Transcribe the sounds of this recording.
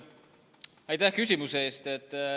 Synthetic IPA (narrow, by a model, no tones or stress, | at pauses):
ɑjt̪æhkys̬ʲimuseeːst̪e̞t̪ːˑ